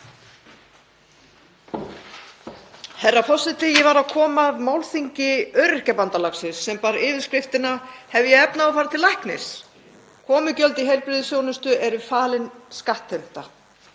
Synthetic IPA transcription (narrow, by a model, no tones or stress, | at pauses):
hɛrːafɔsɪt̪ɪjɛvaɾaðkʰɔːmaːðmawlθiɲcɪœɥɾɪr̥cɛpant̪alaxsɪsːɛmpaːɾɪːvɪðskɾɪft̪ɪnahɛvjɛɛpnaːɔfaːɾat̪ʰɪlajhknɪ̰s | kʰɔːmʏcœlt̪ɪɦejɾpɾɪðɪsjownʏst̪ʏʔɛɾʏfaːlɪnskaht̪ːɛm̥t̪a